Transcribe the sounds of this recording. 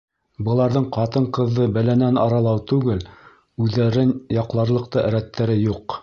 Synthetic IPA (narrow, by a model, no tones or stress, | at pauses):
bɤ̆lˠɑɾðɤɴqɑt̪ɤɴqɤ̆ðːɤbælænænɑɾɑlˠɑwt̪ʉɡɘl | ʉðːæɾɘnjɑqlˠɑɾlˠɤ̆qt̪ɤʔæɾæt̪ːæɾɘjuq